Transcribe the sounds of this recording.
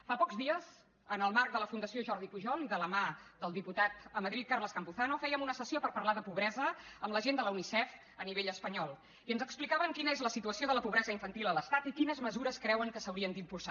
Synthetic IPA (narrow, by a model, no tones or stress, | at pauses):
fapɔkzðiəz | ənəlˠmark̚d̪ələfund̪əsioʒɔɾðipuʒɔnd̪ələmad̪əlˠd̪iput̪at̪əməðɾit̪̚karləskəmpuθanufɛjəmunəsəsiopəɾpəɾlaðəpuβɾɛzəəmləʒend̪ələunisɛf | əniβeʎəspəɲɔlˠ | iənzəksplikaβəŋkinəezləsit̪uəsioðələpuβɾɛzəiɱfənt̪ilˠələst̪at̪ikinəzməzuɾəskɾɛwəŋkəsəwɾiənd̪impulsa